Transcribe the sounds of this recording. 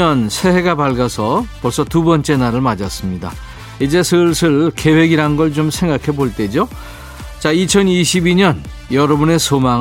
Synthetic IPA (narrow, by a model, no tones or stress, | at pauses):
ʌnsʰe̞he̞ɡapaɭɡasʰʌpʌɭs͈ʌtubʌnt͡ɕ͈e̞naɾɯɭmad͡ʑas͈ɯmɲida | id͡ʑe̞sʰɯɭsʰɯɭke̞we̞ɡiɾanɡʌɭt͡ɕomsʰe̞ŋɡakʰe̞boɭt͈e̞d͡ʑo | t͡ɕait͡ɕʰʌniɕʰibiɲʌn | jʌɾʌbune̞sʰomaŋ